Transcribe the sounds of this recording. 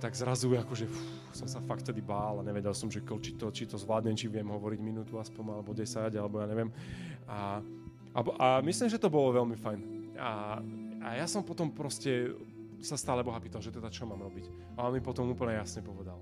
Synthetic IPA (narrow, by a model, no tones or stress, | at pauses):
t̪aɡzɾazuakɔʒɛfu | sɔmsafakt̪t̪ɛd̪ibaːlaɲɛʋɛɟɛlsɔmʒɛkɔlt͡ʃit̪ɔt͡ʃit̪ɔzʋlaːd̪ɲɛmt͡ʃiʋɪɛmɦɔʋɔɾiɟminuːt̪uaspɔnalɛbɔɟɛsaɟalɛbɔjaːɲɛʋɪɛma | abʔamislimʒɛt̪ɔbɔlɔʋɛlmifajnaʔajasɔmpɔt̪ɔmpɾɔscɛ | sast̪aːlɛbɔɦapiːt̪alˠʒɛt̪ɛd̪at͡ʃɔmaːmɾɔbic | aɔnmipɔt̪ɔmuːpl̩ɲɛjasɲɛpɔʋɛd̪al